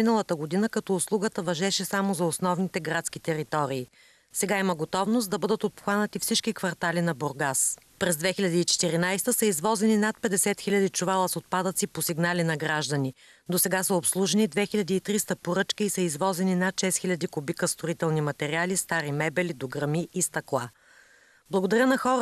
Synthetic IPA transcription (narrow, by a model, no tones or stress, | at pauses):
minəlˠət̪əɡod̪inəkɐt̪ɔːslˠuɡət̪əvɐʒɛʃɛsamozɐosnɔvnit̪ɛɡɾat̪skit̪ɛɾit̪ɔɾiː | sɛɡaiməɡot̪ɔvnost̪d̪ɐbɤd̪ət̪ot̪̚pxanət̪ifsit͡ʃkikvɐɾt̪alinɐboɾɡaspɾɛzd̪vɛxiʎʲɐd̪iːt͡ʃɛ̥t̪iɾinajst̪əsəizvɔzɛninat̪̚pɛd̪ɛsɛt̪xilʲɐd̪it͡ʃuvalˠəsot̪̚pad̪ət̪siposiɡnalinɐɡɾaʒd̪ɐni | d̪osɛɡasəopslˠuʒɛnid̪vɛxilʲɐd̪iːt̪ɾist̪əpoɾɤt͡ʃkəisəizvɔzɛninat̪ʃɛsxʲilʲɐd̪ikobikəst̪ɾoit̪ɛlˠnimɐt̪ɛɾialist̪aɾimɛbɛlid̪oɡɾɐmiːst̪ɐklˠa | blˠɐɡod̪ɐɾʲənɐxɔɾə